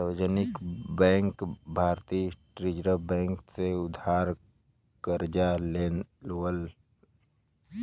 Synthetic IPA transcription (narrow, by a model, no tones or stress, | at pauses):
ʋd͡ʒənɪkbɛ̃ːŋkbʱaːɾt̪iːʈɾɪd͡ʒɾəbɛ̃ːŋkseʊd̪ʱaːɾ | kəɾd͡ʒaleləl